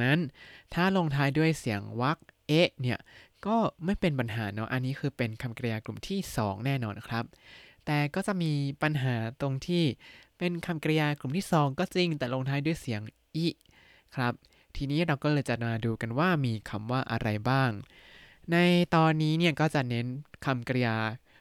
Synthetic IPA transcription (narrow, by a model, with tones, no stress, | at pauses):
na˦˥nt̪ʰaː˥˩lo˧ŋt̪ʰaː˦˥jdu˥˩əjsi˩˦əŋwa˦˥k̚ | ʔe˦˥ʔni˥˩ɐəkɔː˥˩ma˥˩jpe˧npa˧nɦaː˩˦nɔ˦˥ʔa˧nːiː˦˥kʰɯː˧pe˧nkʰa˧mkɾa˧jaː˧klu˨˩mt̪ʰiː˥˩sɔ̰ː˩˦ŋnɛː˥˩nɔː˧nkʰɾa˦˥p̚t̪ɛː˨˩kɔː˥˩t͡ɕa˨˩ʔmiː˧pa˧nɦaː˩˦t̪o˧ŋt̪ʰiː˥˩pe˧nkʰa˧mkɾa˧jaː˧klu˨˩mt̪ʰiː˥˩sɔː˨˩˦ŋkɔː˥˩t͡ɕi˧ŋt̪ɛː˨˩lo˧ŋt̪ʰaː˦˥jdu˥˩əjsi˨˩˦əŋ | ʔiː˦˥˩ | kʰɾa˦˥p̚ | t̪ʰiː˧niː˦˥ɾa˧wkɔː˥˩lɤː˧jt͡ɕa˨˩t̪̚maː˧duː˧ka˧nwaː˥˩miː˧kʰa˧mwaː˥˩ʔa̰˧ɾa˧jbaː˥˩ŋ | na˧jt̪ɔː˧nːiː˦˥ni˥˩ɐkɔː˥˩t͡ɕa˨˩ʔne˦˥nkʰa˧mkɾa˧jaː˧